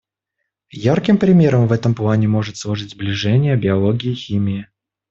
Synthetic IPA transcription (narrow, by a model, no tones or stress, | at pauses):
jarkʲɪmpɾʲɪmʲe̞ɾəmvɛt̪əmplˠanʲɪmo̞ʐɨt̪slˠɐʐɨtʲzblʲɪʐɛnʲɪjəbʲɪɐlˠo̞ɡʲɪːxʲimʲɪɪ